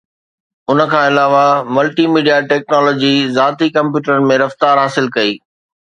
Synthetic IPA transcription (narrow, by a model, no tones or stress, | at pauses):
ʊnə̆kʰãːɪlaːʋamɐlʈimiːɖijaʈɛːk̚nɔːlɔːd͡ʑizaːt̪ikɐ̃mpjuːʈəɾənɪ̆mẽɾɐft̪aːɾɦaːsɪlkɐiː